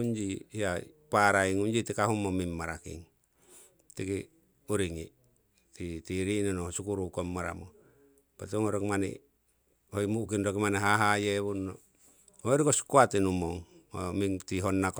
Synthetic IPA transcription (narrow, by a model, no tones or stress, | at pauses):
und͡ʒiija | paɾaiŋund͡ʒit̪ikaɦumːomimːaɾakḭŋ | t̪iki | uɾiŋi | t̪it̪iɾinonosukuɾukomːaɾa̰mo | pat̪uŋoɾokimanḭ | hoimukinɾokimaneɦaɦajeβunːo | hoiɾikoskuat̪inumoŋo̰mit̪iɦonːak